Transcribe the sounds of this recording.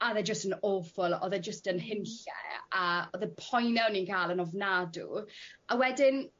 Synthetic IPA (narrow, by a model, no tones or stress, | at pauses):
aðɛd͡ʒəstənofɔlˠɔ̰ðɛd͡ʒəstənhɪnɬɛ̰aɔðɛpʰɔjnɛwninkʰaːlˠənɔvnadṵʔawɛdɪn